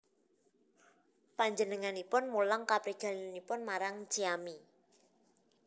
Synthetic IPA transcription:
paɲd͡ʒənəŋanipʊnmulaŋkapɾiɡ̥a̤linanipʊnmaɾaŋt͡ʃiami

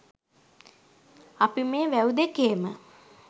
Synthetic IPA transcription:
apimeːʋæud̪ekeːmə

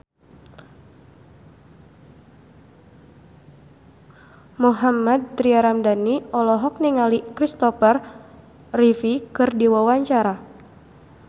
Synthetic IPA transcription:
muɦamad̪̚t̪ɾiaɾamdaniɔlɔɦɔk̚niŋalikɾist̪ɔfər | rifikɨrdiwawaɲt͡ʃaɾa

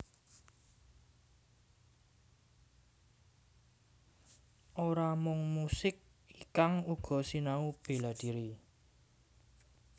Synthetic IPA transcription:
ʔoɾamʊŋmusɪk̚ | ikaŋuɡ̥ɔ̤sinaub̥e̤lad̪̥i̤ɾi

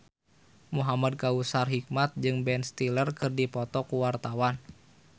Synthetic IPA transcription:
muɦamad̚kausarɦik̚mat̪̚d͡ʒɨŋbɛnst̪ilərkɨrdipɔt̪ɔkuwart̪awan

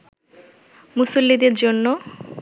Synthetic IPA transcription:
musulːid̪eɾd͡ʑonːo

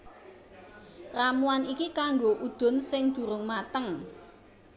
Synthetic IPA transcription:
ramuanikikaŋɡoʔud̪̥ʊ̤nsɪŋd̪̥ṳɾʊŋmat̪əŋ

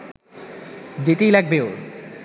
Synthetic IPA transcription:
d͡ʑeʈijlɛɡ̚beo

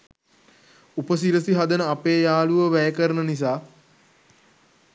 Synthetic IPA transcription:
upəsiɾəsiɦad̪ənəapeːjaːluʋəʋæjəkəɾənənis̬aː

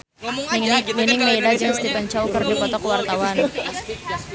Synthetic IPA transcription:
nɪŋninɪŋmedad͡ʒəŋst̪ipəɲt͡ʃaukɨrdikɔt̪ɔkəwart̪awan

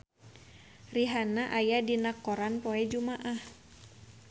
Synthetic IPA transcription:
riɦanaʔajadinakɔɾanpɔɛd͡ʒumaʔah

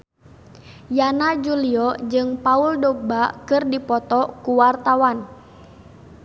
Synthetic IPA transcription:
janad͡ʒuliɔd͡ʒɨŋpauldɔɡ̚bakɨrdipɔt̪ɔkuwart̪awan

